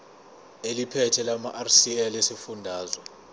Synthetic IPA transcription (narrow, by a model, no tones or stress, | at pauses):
elipʰɛtʰɛlamaʔarsiɛlesifundʱaːzwɔ